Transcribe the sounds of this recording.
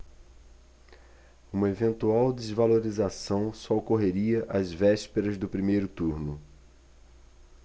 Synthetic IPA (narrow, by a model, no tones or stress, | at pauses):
ũmɐevẽnt̪uawd̪ezvaloɾizasɐ̃w̃sɔokoɦeɾiɐʔɐzvɛʃpeɾɐzd̪ʊpɾimejɾʊt̪uɾnʊ